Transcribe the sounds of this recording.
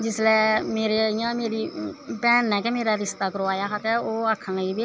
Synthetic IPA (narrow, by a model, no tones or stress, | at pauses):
d͡ʒɪslɛːmeːɾejãːmeːɾiːpɛːnɛːkɛːmeːɾaːɾɪst̪aːkəɾõaːjaːkaːkɛːoːakʰːãːaiːbeː